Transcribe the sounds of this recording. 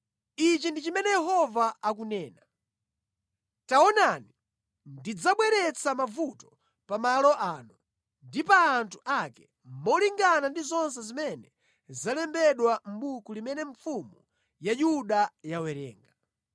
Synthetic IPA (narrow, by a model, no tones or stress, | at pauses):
it͡ʃindit͡ʃimɛnɛjɛɦɔvaːk̬unɛːna | taɔnani | ndid͡zaɓwɛɾɛt͡samavutɔ̥ | pamalɔʔaːnu | ndipaːntʰu̥ʔakɛ | mɔliŋɡanandizɔns̬ɛzimɛnɛ | zalɛmbɛɗwam̩ɓukulimɛnɛɱfumu | jajuɗajawɛɾɛ̰ːŋɡa